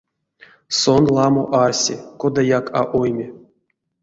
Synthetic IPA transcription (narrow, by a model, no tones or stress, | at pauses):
sonlˠɑmo̰ʔarsʲekod̪ajakʰa̰ʔojmʲe